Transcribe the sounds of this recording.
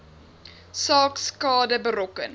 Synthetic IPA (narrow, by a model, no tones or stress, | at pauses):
sɑːkskɑːdəbəɾɔkə̰n